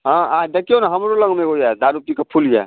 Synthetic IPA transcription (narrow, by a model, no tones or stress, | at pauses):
ɦãad̪əkionaɦəmɾoləɡmeɡojad̪aɾup̚t̪ikəpʰuld͡ʒa̰